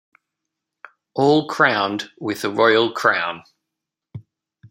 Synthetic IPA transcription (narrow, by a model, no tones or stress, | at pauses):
ʔɔːlˠkʰɹ̥ãʊ̃ndwɪðəɹɔɪəlˠkʰɹ̥ãʊ̃n